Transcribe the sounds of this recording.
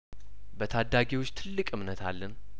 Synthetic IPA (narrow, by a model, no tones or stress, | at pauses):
bət̪ʰad̪ːaɡewot͡ʃːt̪ʰɨlːɨkʼɨmnət̪ʰalːən